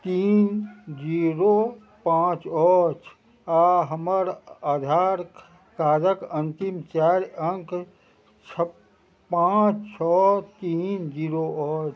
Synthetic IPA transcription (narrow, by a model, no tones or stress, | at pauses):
t̪iːnd͡ʒiɾo | pãt͡ʃɔt͡ʃʰ | aɦəməɾad̪ʱaːɾ | kaːd͡ʒəkənt̪imt͡ʃaɾəŋk | t͡ʃʰə | pãt͡ʃt͡ʃʰɔt̪iːnd͡ʒiɾoɔt͡ʃʰ